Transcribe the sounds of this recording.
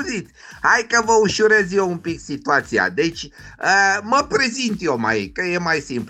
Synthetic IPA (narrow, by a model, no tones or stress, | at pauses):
zit̪sʲhajkəvəuʃuɾezjoumpiksit̪uat̪sia̰d̪e̞t͡ʃʲəməpɾe̞zint̪jo̞ma̰jkəje̞majsimp